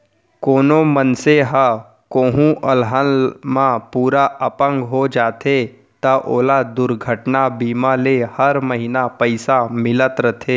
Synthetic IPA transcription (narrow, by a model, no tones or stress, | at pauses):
koːnomənseɦə | koːɦũʔəlɦalmãpuːɾaəpə̃ŋɡɦod͡ʒaːt̪ʰe | t̪əʔoːlad̪ʊɾɡʱəʈnabiːmãlehəɾməɦɪnapəɪsamɪlət̪ɾət̪ʰeː